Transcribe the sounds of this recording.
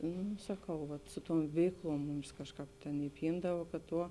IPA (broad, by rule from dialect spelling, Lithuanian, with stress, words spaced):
ˈnuː sɐˈkɐʊ ʋɐt ˈsʊ ˌtuɔm ˈʋʲɛɪkˌlˠuɔm ˈmʊms ˈkɑːʃˌkɑːp ˈtʲeːn ɪˈpʲiːndɐʋɐ kɐt ˈtuɔ